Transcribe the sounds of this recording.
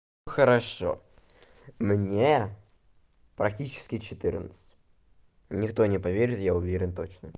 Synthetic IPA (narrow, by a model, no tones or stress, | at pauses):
xəɾɐʂo̰ | mnʲe | pɾɐk̚tʲit͡ɕɪ̥skʲɪt͡ɕɪt̪ɨrnət̪sɨ̥tʲ | nʲɪkt̪onʲɪpɐvʲeɾʲɪt̪jaʊvʲeɾʲɪnt̪o̞t͡ɕnə